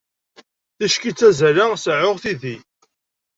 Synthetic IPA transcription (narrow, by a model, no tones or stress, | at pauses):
θæʃkit͡sːæzælasʕʊʁθiði